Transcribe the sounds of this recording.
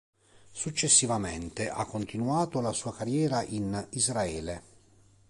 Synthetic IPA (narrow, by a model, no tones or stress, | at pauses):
sut͡ʃːesːivament̪eʔakːont̪inuaːt̪olasuːakarjɛːɾaʔinizɾaɛːle